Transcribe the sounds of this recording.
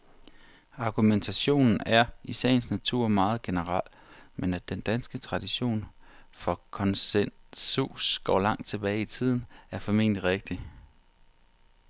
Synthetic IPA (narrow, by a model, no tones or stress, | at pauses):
ɑ̈ɡ̥ument͡sʰæɕo̝̰ːnn̩æɐisɛ̰ːnsnæt͡sʰuɐ̰mɑ̈ːð̞̩ˠɡ̥e̝nəʁɑl̰ | menæd̥end̥ænsɡ̥ət͡sʰʁɑ̈d̥iɕo̝̰ːnfɒ̽kʰɒ̽nsensusɡ̥ɒ̰ːlɑ̈ŋ̰d̥t͡sʰe̝b̥ɛːɪit͡sʰið̰ˠn̩æɐfɒ̽me̝̰ːn̰d̥iʁeɡ̥̚d̥i